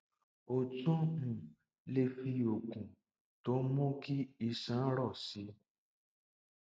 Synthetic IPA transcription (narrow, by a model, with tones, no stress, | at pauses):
o˨t͡ʃɔ̃˦ŋũ˨ | le˧fi˧o˨kũ˨ | to˨˦mõ˦ki˦i˧sã˨˦ɾɔ˦˨si˧˦